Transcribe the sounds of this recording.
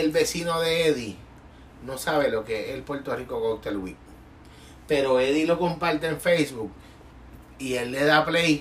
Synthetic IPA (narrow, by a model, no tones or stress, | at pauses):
elβe̞sino̞ðe̞eði | no̞saβe̞lo̞keʔelpwe̞ɾt̪o̞riko̞ɣok̚t̪elwḭk̚ | pe̞ɾo̞eðilo̞kompaɾt̪eeɱfejsβuk̚ | ie̞lːe̞ðaplej